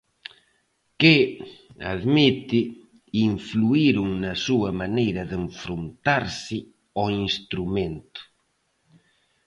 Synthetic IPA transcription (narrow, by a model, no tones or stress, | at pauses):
ke | a̰ðmit̪ɪ | iɱfluiɾuŋnasuɐmanejɾɐðeɱfɾont̪aɾsɪ | ɔinst̪ɾumẽnt̪ʊ̥